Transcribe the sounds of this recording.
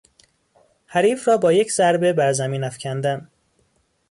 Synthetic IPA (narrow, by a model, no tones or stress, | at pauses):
hæɾiːfɾɒːbɒːjecʰzæɾbe̞bæɾzæmiːnæfcʰænd̪æn